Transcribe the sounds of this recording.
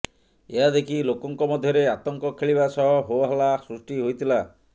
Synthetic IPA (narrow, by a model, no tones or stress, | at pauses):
eɦad̪ekʰilokɔŋkɔmɔd̪ʱjɔɾeat̪ɔŋkɔkʰeɭiβasɔɦɔɦoaɦɔlasɾusʈiɦojt̪ʰila